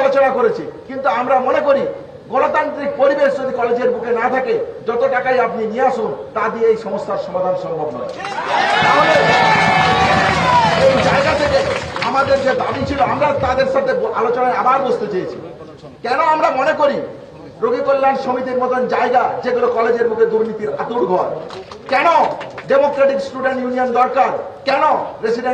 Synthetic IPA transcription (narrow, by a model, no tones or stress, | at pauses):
lot͡ɕonakoɾet͡ɕʰikint̪uamɾamonekoɾi | ɡɔnot̪ant̪ɾik̚poɾibeʃd͡ʒod̪ʱikɔled͡ʑeɾbukenat̪ʰaked͡ʑɔt̪oʈakajap̚niniaʃunt̪ad̪ieejʃɔmost̪ʰaɾʃɔmad̪ʱanʃɔmbʱɔbnɔ | aɦole | ejd͡ʑaeɡat̪ʰekeamad̪eɾd͡ʑed̪abit͡ɕʰiloamɾat̪ad̪eɾʃat̪ʰealot͡ɕonaeabaɾbost̪et͡ɕejet͡ɕʰḭ | kɛnoamɾamonekoɾi | ɾoɡʱikoɾlanʃomit̪iɾmɔt̪ʰond͡ʑaeɡad͡ʑeɡulokɔled͡ʑeɾmukʰed̪uɾnit̪iɾa̰t̪uɽɡʱoaɾ | kɛnoɖemokɾaʈiksʈuɖeɳʈjuniond̪ɔɾkaɾkɛnoɾesiɖe